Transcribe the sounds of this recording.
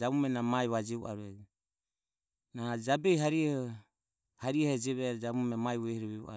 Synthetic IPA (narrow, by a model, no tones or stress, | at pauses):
d͡ʒamumɛnamaiβad͡ʒɛṵʔa̰ɾuɛd͡ʒ | nad͡ʒabɛiɦaɾiɛhɔ | haɾiɛhɛd͡ʒɛβɛɾd͡ʒamumɛmaiwɛhiɾɔβɛṵʔa̰